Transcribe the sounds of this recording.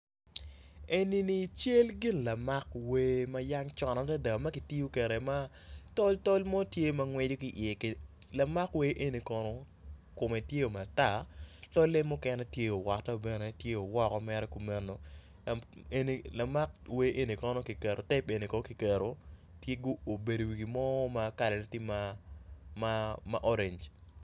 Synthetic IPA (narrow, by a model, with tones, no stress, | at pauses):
e˨ni˦ni˨t͡ʃe˦lɡɪ˦nla˨ma˦kwe˦ma˦ja˦ŋt͡ʃɔ˨nɔ˨ta˦da˨ma˦ki˨ti˦o˦kɛ˨ɾɛ˨ma˦ | tɔ˦ltɔ˦lmɔ˦tje˦ma˨ŋwɛ˦d͡ʒo˦ki˨ʔɪ˨e˨k | la˨ma˦kwe˦ʔe˦ni˨kɔ˦nɔ˦ | ko˨mɛ˨tje˦o˨ma˨ta˦˨tɔ˦le˦mːʊ˦kɛ˦nɛ˦tje˦o˨wa˨tɛ˦o˨bɛ˨nɛ˨tje˦o˨wɔ˦kɔ˦mɛ˦ɾɛ˦ku˨mɛ˦nːo˨ | a˨e˦ni˨la˨ma˦k̚we˦ʔe˦ni˨kɔ˦nɔ˦ki˨kɛ˨ɾo˨tɛ˦pe˨ni˨kɔ˦ki˨kɛ˨ɾo˨ | tje˦ɡo˦o˨be˨do˨wi˨ɡi˨mɔ˦ma˨ka˨lɛ˨ne˦ti˦ma˦ | mama˨ʔɔ˦ɾe˨ɲd͡ʒ